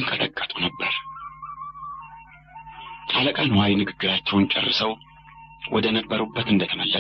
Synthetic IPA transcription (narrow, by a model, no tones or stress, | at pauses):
nkʰət̪ʼəkʼːət̪ʼunəbːəɾ | t̪ʰʼaləkʼanwajinɨɡɨɡːɨɾat͡ʃːɛwnt͡ʃʼɛ̰rːɨsəw | wʔɔd̪ənəbːəɾubːət̪ɨnd̪ət̪ʰəməlːə